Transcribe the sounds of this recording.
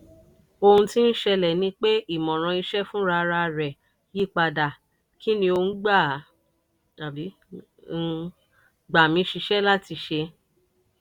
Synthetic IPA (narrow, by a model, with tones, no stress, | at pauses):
o˧hũ˧ti˦n̩˦ʃɛ˧lɛ˨nĩ˧˦k͡pe˦i˦˨mɔ̃˨ɾ̃ã˧i˧ʃɛ˦fũ˦ɾa˧ɾa˧ɾɛ˨ | ji˦˨k͡pa˨da˨ | kʰi˦nĩ˧o˧˦ɡ͡ba˦˨ | ta˨bi˨˦˧ | ɡ͡ba˨mĩ˨˧˦ʃi˧ʃɛ˦la˦ti˧ʃe˧